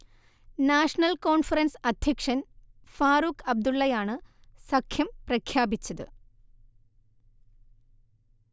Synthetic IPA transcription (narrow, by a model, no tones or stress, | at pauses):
naːʂɐnɐlkoːɳfɐrɐnsɐd̪ʱjɐkʂɐnfaːɾukʰɐb̚d̪uɭːɐjaːɳɨsɐkʰjɐmprɐkʰjaːbit͡ɕːɐðɨ̰